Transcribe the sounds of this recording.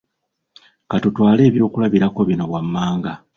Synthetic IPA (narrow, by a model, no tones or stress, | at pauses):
katutwaːle̞ːβjo̞ːkulaβiɾako̞βino̞βwamːaːŋɡa